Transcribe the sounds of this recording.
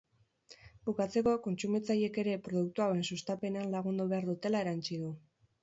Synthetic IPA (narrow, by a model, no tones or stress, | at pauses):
bukat͡se̞ko̞ko̞nt͡sumit͡saje̞ke̞ɾe̞pɾoðuk̚t̪uawe̞nsust̪ape̞ne̞anlaɣ̞und̪uβ̞e̞aɾðut̪e̞lae̞ɾant͡ʃiðu